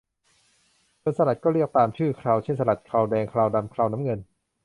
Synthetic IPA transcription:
kʰɤ˧nsa˧ɾa˨˩t̪̚kɔː˥˩ɾi˥˩ək̚t̪aː˧mt͡ɕʰɯː˥˩kʰɾaː˧wt͡ɕʰe˥˩nsa˧a˨˩t̪̚kʰaː˧wdɛː˧ŋkʰɾaː˧wda˧mkʰɾaː˧wna˦˥mŋɤ˧n

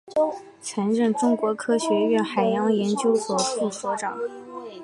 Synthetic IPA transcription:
t͡sʰa˧˥nɻə˥˩nʈ͡ʂʊ˥ŋkwɔ˧˥kʰɤ˥ɕɥɛ˧˥ɥɛ˥˩nxa˨˩ɪjɑ˧˥ŋjɛ˧˥nt͡ɕjo˥ʊswɔ˨˩fu˥˩fwɔ˧˥ʈ͡ʂɑ˨˩˦

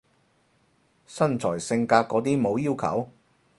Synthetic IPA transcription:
sɐ˥nt͡sʰɔː˨˩jsɪ˧ŋkaː˧t̚kːɔː˨˧˥t̪iː˥mo˨˧wjiː˥wkʰɐ̰˨˥w

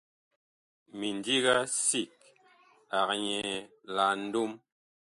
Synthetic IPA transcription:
mi˨n˨di˦ɣa˦si˨k̚ | a˨k̚ɲɛ˨ | la˨n̩˦du˦m

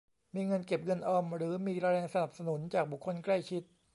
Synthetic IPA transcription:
miː˧ŋɤ˧nke˨˩p̚ŋɤ˧nʔɔː˧mɾɯː˩˦miː˧ɾaː˧ɾɛː˧ŋsa˧na˨˩p̚sa˧nu˨˩˦nt͡ɕaː˨˩k̚bu˨˩kʰːo˧nkla˥˩jt͡ɕʰi˦˥t̪̚

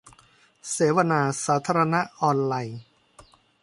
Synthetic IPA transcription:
seː˩˦wa˧naː˧saː˩˦t̪ʰaː˧ɾa˧na˦˥ʔɔː˧nlaː˧j

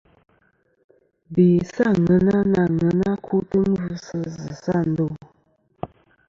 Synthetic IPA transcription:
bi˨sa˦˨ŋə˨˦na˦na˨ŋə˨na˦kʰu˦tə˦m̩˦vu˦sə˦zə˨sa˦˨n̩˨˦do˦˨

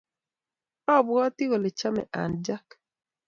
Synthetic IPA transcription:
ɔ˦˨bɔ˦tɪ˦ɣɔ˨le˨t͡ʃa˦mɛ̰˨ʔa̰˨nd͡ʒa˦k

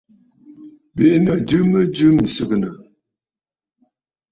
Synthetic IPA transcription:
be˨˦nə˨d͡ʒɨ˦mə˦d͡ʒɨ˦mi˨sɨ˦ɡə˨nə˨

